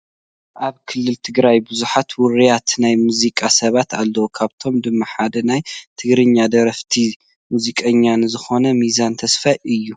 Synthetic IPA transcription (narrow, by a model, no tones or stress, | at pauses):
ʔaβkʰɨlːɨlt̪ʰɨɡɾajbɨzuħat̪wʊɾijat̪najmuzikʼasɐβat̪alːowkʰaβt̪ʰo̞md̪ɨmːaħad̪ɐnajt̪ʰɨɡɾɨɲːad̪ɐɾɐft̪ʰi | muzikʼɐɲːanzɨxo̞nɐmizant̪ʰɐsfajɨjːu